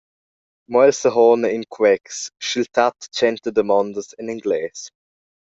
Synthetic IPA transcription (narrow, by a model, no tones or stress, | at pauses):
mɔɛlsəɦɔːnəɪnkʰwɛksʃilt̪ʰat̪t͡ʃɛnt̪əd̪əmɔnd̪əsɪniŋɡlɛːs